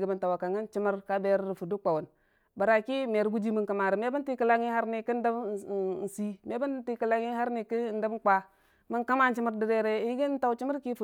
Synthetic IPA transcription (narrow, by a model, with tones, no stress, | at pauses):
ɡi˨bə˨nta˨wa˨ka˨ŋa˦nt͡ʃi˦mə˦ɾka˦be˨ɾɾi˨fu˨du˦k͡pa˨wu˨n | ba˨ɾa˨ki˦me˨ɾɡu˦d͡ʒi˦mi˨nka˨ma˨ɾi˨me˦ba˦nti˦ki˦la˦ŋi˦ha˦ɾni˨ki˦n˦da˦bn̩˨si˦me˦ba˦nti˦ki˨la˦ŋi˦ha˦ɾni˨ki˦˨n˦da˦bk͡pa˦ | mi˦nka˦ma˦n˦t͡ʃi˦mə˦ɾdi˨ɾe˦ɾe˦jɡi˦n˦ta˨wt͡ʃi˦mə˦ɾki˦fu˨